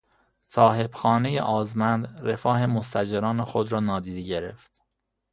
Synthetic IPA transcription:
sɒːɦe̞b̥xɒːne̞jḛʔɒːzmænd̪re̞fɒːɦe̞most̪æd͡ʒeɾɒːnexod̪ɾɒːnɒːd̪iːd̪eɟe̞ɾḛft̪

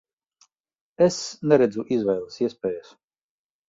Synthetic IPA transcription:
ɛsnɛɾɛd̪zuʔizvɛjlˠɨsiɛspɛːjas

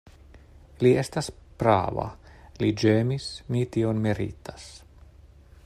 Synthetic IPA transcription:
liest̪aspɾa̰ːva̰lid͡ʒeːmismit̪ionmeɾḭt̪ḁs

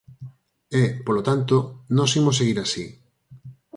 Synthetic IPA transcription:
epolot̪ant̪onõsimos̬eɣiɾasi

